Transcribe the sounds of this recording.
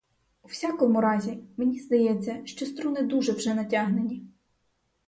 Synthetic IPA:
uwsʲakɔmʊɾɑzʲimenʲizd̪ɐjɛt͡sʲːɐʃt͡ʃɔst̪ɾunɪd̪uʒɛwʒɛnɐtʲaɦnenʲi

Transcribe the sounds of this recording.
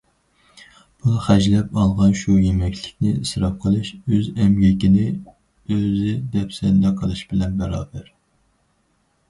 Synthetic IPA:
b̥uχɛd͡ʒlɛpɑlˠʁɑnʃujemɛkʲlɪkʲnɪisɾɑf̚qʰəlˠɨʃøzɛmɡʲɛkʲinɪ | øzɪd̪ɛpsɛnd̪ɛqʰəlˠɨʃbɪlɛnbɛɾɑːbɛɾ

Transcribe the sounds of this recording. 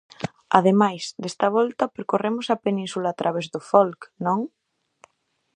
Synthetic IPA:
ɐ̰ðemajsd̪est̪ɐβ̞ɔlt̪ɐpeɾkoremʊsɐpenĩnsulaːt̪ɾʔaβ̞ezðʊfɔlknõŋ

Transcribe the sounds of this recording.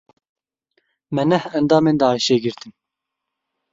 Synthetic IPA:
mɛnɛhɛnd̪ɑːmeːnd̪ɑːjiʃeːɡiɾt̪ʰin

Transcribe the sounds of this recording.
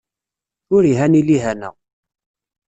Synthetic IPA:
ʊɾiɦæniliɦænə̰ʁ

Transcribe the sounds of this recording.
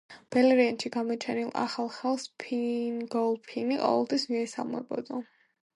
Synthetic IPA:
b̥ɛlɛɾianʃiɡamɔt͡ʃʰɛnilˠa̰χalˠχɛlˠspʰinɡɔlˠpʰiniqʼɔ̰vɛ̰lˠt̪ʰwismiɛsa̰lˠmɛ̰bɔ̰d̪a

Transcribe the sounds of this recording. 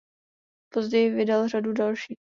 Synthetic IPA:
pozɟɛjɪvɪdalr̝adudalʃiː

